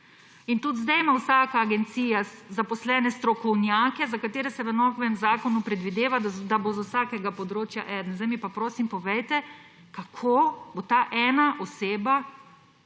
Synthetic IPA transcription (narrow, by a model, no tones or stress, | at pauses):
int̪ut̪zd̪ɛjmawsaːkaːɡɛnt̪siːjazapɔslɛːnɛst̪ɾɔkɔwnjaːkɛzakat̪eːɾɛsɛʋənɔɡʋɛmzaːkɔnupɾɛd̪ʋid̪eːʋad̪d̪abozɔwsakɛɡapɔd̪ɾoːt͡ʃja̰ʔɛd̪nzd̪ɛjmipapɾoːsimpɔʋɛjt̪ɛ | kakʰoːbot̪aʔɛːnaʔoseːba